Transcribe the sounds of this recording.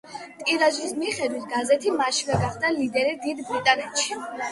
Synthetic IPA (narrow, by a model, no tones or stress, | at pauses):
t̪ʼiɾaʒismiχɛd̪wit̪ʰɡazɛt̪ʰimaʃiɡaɡaχd̪alid̪ɛɾid̪id̪bɾit̪ʼanɛt̪ʰʃi